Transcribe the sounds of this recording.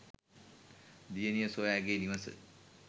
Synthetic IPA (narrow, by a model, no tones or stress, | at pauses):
d̪ijənijəsojaːɡeːniʋəsə̰